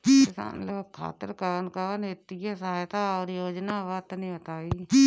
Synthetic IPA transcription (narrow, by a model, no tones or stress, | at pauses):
sa̰ːnloːkʰa̰ːt̪əɾkəɾnkənɪt̪ɪjaːsaːjt̪aːoɾjoːd͡ʒnaːʋat̪nĩːət̪aːiː